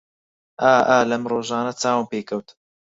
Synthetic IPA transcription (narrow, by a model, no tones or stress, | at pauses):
ʔaːʔaːlɐmɾˤoːʒɑːnɐt͡saːwəmpeːkɐwt̪